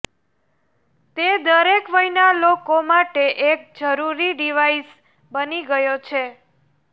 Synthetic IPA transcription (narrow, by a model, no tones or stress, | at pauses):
t̪ed̪əɾekʋəɦinalokomaʈeʔek̚d͡ʒəɾuɾiɖiʋais | bəniɡəjot͡ʃʰe